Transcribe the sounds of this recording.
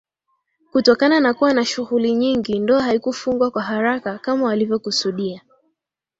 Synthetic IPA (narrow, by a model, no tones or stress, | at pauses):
kutɔkananakuwanaʃuɣuliɲiŋɡindɔːɦaikufuŋɡwakwaɦaɾakakamawalivjɔkusuɗia